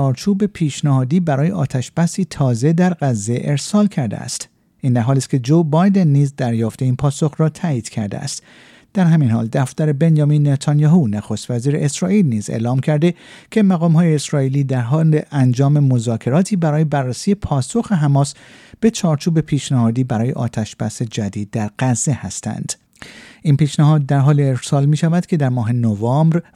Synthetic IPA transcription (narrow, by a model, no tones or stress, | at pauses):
ɒːɾt͡ʃʰuːbe̞pʰiːʃnæhɒːd̪iːbæɾɒːje̞ʔɒːt̪ʰæʃb̥æsiːt̪ʰɒːze̞d̪æɾɢæzːe̞ʔe̞ɾsɒːlcʰæɾd̪ḛæ̰st̪ | ʔiːnd̪æɾɦɒːliːst̪̚kʰʲe̞d͡ʒobɒjd̪e̞nːiːzd̪æɾjɒːft̪e̞iːnpʰɒːso̞xɾɒːt̪ʰæːiːd̪̥cʰæ̰ɾd̪ḛæ̰st̪ | d̪̥æɾɦæmiːnhɒ̰ːld̪æft̪æɾe̞be̞njɒːminːet̪ʰɑnjɒːɦunæxost̪væziːɾeesɾɒːʔiːlniːzḛʔlɒːmcʰæɾd̪e̞cʰe̞mæɣɒːmɦɒːjeːsɾɒːiːliːd̪æɾɦɒːleʔænd͡ʒɒːme̞mo̞zɒːkʰe̞ɾɒːt̪ʰiːbæɾɒːje̞bærːæsiːje̞pʰɒːso̞xe̞ɦæmɒːs | b̥e̞t͡ʃʰɒːɾt͡ʃʰuːbe̞pʰiːʃnæhɒːd̪iːbæɾɒːje̞̰ʔɒ̰ːt̪ʰæʃb̥æse̞d͡ʒæd̪iːd̪̚ːæɾɡæzːe̞hæst̪ʰæ̰nd̪̥ | inpiːʃnæhɒːd̪̚ːæɾɦɒːlieɾsɒːlmiːʃævæd̪̥cʰe̞d̪æɾmɒːɦe̞novɑmbɾ